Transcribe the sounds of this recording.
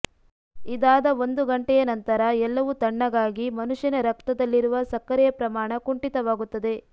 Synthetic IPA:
id̪aːd̪ɐo̞nd̪uɡɐɳʈɛjɐnɐnt̪ɐɾɐɛlːɐʋut̪ɐɳːɐɡaːɡimɐnuʂjɐnɐɾɐkt̪ɐd̪ɐlːiɾuʋɐsɐkːɐɾɛjɐpɾɐmaːɳɐkuɳʈit̪ɐʋaːɡut̪ːɐd̪e̞

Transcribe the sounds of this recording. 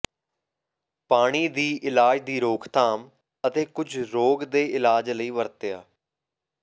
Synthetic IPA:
paːɽ̃iːd̪iːʔɪlaːd͡ʒd̪iːɾoːkʰt̪aːm | ət̪eːkʊd͡ʒʱɾoːɡd̪eːʔɪlaːd͡ʒləiːʋəɾt̪ɪjaː

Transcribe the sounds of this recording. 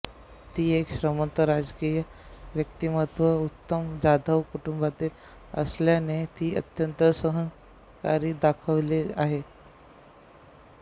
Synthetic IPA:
t̪iːekɕɾəmənt̪əɾad͡zkijəʋjək̚t̪imət̪ʋəut̪ːəmd͡ʑad̪ʱəʋkuʈumbat̪iːl | ə̰sljanet̪iːə̰t̪jənt̪əsəɦəŋ | ka̰ɾiːd̪akʰəʋlea̰ɦe

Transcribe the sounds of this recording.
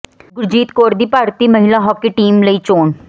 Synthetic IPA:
ɡʊɾd͡ʒiːt̪koːɾd̪iːpaːɾt̪imɐɦɪlaɦɔːkːeʈiːmləit͡ʃoːɳ

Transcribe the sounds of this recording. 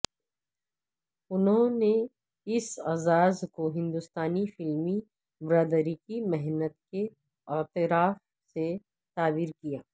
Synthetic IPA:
ʊnɦõne | ɪsaːzaːzkoɦɪ̃nd̪ʊst̪aːnifɪlmi | bɾaːd̪əɾikimɛɦnət̪ke | ɪt̪ɪɾaːf | se | t̪aːbiːɾkijaː

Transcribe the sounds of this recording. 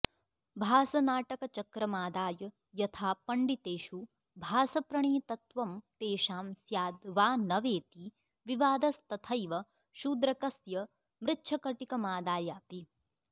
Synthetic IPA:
bʱaːsɐnaːʈɐkɐt͡ʃɐkɾɐmaːd̪aːjɐ | jɐt̪ʰaːpɐɳɖit̪eːʃu | bʱaːsɐpɾɐɳiːt̪ɐt̪ʋɐmt̪eːʃaːmsjaːd̪ʋaːnɐʋeːt̪i | ʋiʋaːd̪ɐst̪ɐt̪ʰɐjʋɐ | ʃuːd̪ɾɐkɐsjɐ | mɾɪtːʃʰɐkɐʈikɐmaːd̪aːjaːpi

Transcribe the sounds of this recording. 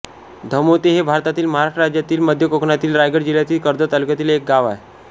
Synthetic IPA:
d̪ʱəmot̪eɦebʱaɾt̪at̪iːlməɦaɾaʂʈəɾad͡ʑjat̪iːlməd̪ʱjəkokɳat̪iːlɾajɡəɾd͡ʑiljat̪iːlkəɾd̪ət̪əlukjat̪iːlek̚ɡaʋae

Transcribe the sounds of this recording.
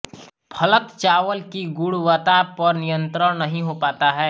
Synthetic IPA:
pʰɐlət̪t͡ʃaːʋəlkiɡʊɽʋət̪apɐɾnɪjə̃nt̪ɾəɽ̃nɐɦĩɦopaːt̪aɦɛː

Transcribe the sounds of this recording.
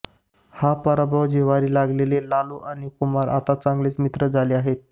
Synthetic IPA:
hapəɾabawd͡ʑiʋaɾiːlaɡlelelaluʔañikumaɾʔa̰t̪at͡sãŋɡlet͡smit̪ɾəd͡zʱaleaɦet̪̚

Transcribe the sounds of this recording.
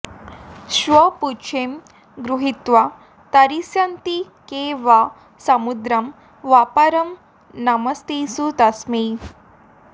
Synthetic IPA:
ɕʋɐput͡ʃʰem | ɡɾuɦit̪ʋa | t̪ɐɾisjant̪i | keʋa | sɐmud̪ɾɐm | ʋapaɾɐm | nɐmɐst̪isut̪ɐsmi

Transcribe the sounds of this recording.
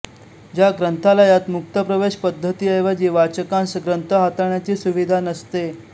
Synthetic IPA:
d͡ʑjaɡɾənt̪ʰalajat̪muk̚t̪əpɾəʋeɕpəd̪ʱːət̪iːəjʋad͡ʑiːʋat͡ɕəkãnsəɡɾənt̪ʰəɦat̪aɳjat͡ɕiːsuʋid̪ʱanəst̪e

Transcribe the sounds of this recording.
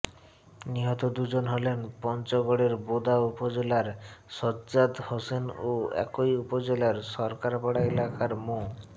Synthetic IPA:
niɦɔt̪od̪ud͡ʑonɦɔlenpɔnt͡ɕɔɡɔɽeɾbod̪ʱaupod͡ʑelaɾsɔad̪hosenoɛ̰kojupod͡ʑelaɾsɔɾkaɾpɔɽaelakaɾmo

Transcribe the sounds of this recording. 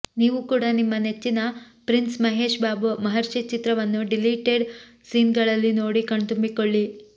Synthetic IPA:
niːʋukuːɽɐnimːɐne̞t͡ʃːinɐ | pɾinsmɐɦeːʂbaːbumɐɦɐɾʃit͡ʃit̪ɾɐʋɐnːuɖiliːʈeɖ | siːnɡɐɭɐlːino̞ːɽikɐɳt̪umbikoɭːi

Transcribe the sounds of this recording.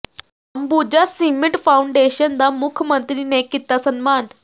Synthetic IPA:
ambud͡ʑasimiʈfauɳɖeɕənd̪amukʰjəmənt̪ɾinekit̪asənman

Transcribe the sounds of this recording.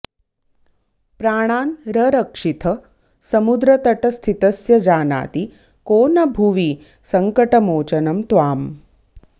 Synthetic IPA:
pɾaːɽ̃aːnɾɐɾɐkʂit̪ʰɐ | sɐmud̪ɾɐt̪ɐʈɐst̪ʰit̪ɐsjɐd͡ʒaːna̰ːt̪i | koːnɐbʱuʋi | sɐŋkɐʈɐmoːt͡ʃɐnɐmt̪ʋaːm

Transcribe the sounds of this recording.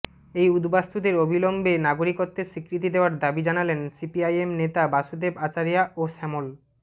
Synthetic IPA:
ejud̪bast̪ud̪eɾobʱilombenaɡoɾikot̪ːeʃikɾit̪̬id̪eoaɾd̪abid͡ʑanalensipiajemnet̪abaʃud̪ebat͡ɕaɾijaʔoʃɛmol

